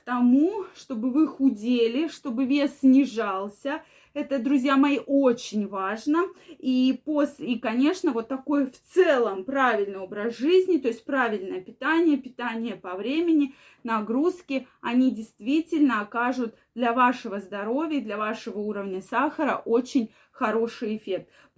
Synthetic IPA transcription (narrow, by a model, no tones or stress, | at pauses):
kt̪ɐmuʂt̪o̞bɨvɨxʊdʲelʲɪʂt̪o̞bɨvʲe̞sʲːnʲɪʐalˠsʲə | ɛt̪əd̪ɾʊzʲjamɐjiʔot͡ɕɪnʲvaʐnəiposʲlʲikɐnʲe̞ʂnəvo̞t̪ːɐko̞jft̪sɛlˠəmpɾavʲɪlʲnɨjo̞bɾəsʐɨzʲnʲɪt̪o̞ɪsʲt̚ʲpɾavʲɪlʲnəjəpʲɪt̪anʲɪjəpʲɪt̪anʲɪjəpɐvɾʲemʲɪnʲɪ | nɐɡɾuskʲɪɐnʲidʲɪjst̪vʲitʲɪlʲnəɐkaʐʊt̪ | d̪lʲɐvaʂɨvəzd̪ɐɾo̞vʲɪjəd̪lʲɐvaʂɨvəuɾəvnʲəsaxəɾə̰ʔo̞t͡ɕɪnʲ | xɐɾo̞ʂɨjɪfʲe̞k̚t̪